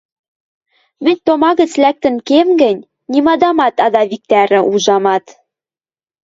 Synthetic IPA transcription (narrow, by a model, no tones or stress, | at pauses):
mɘ̆nʲt̪omɑɣɘ̆t͡slæk̚t̪ɘ̆nkemɡɘ̆nʲ | nimɑd̪ɑmɑt̪ɑd̪ɑβik̚t̪æɾɘ̆ʔuʒɑmɑt̪